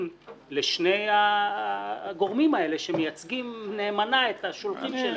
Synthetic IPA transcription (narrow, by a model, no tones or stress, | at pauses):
mleʃneja | ɡo̞ʁmimae̞le̞ʃemejat͡sɡimneːmanaet̪aʃolχimʃe